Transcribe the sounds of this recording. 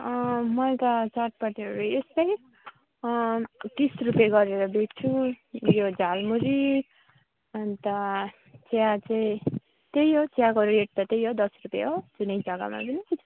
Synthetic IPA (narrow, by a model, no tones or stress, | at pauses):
mʌẽt̪ʌt͡sʌʈ̚paʈiʌɾuespaj | kisrupjaɡʌɾeɾʌbet͡sʰu | jod͡zalmuɾi | ʌnt̪ʌ | t͡sejat͡saĩ | t̪ejɦot͡sjakʌɾueʈ̚t̪ʌt̪ejɦod̪ʌsrupja̰ɦod͡zunejd͡zʌɡa̰ma̰pʌni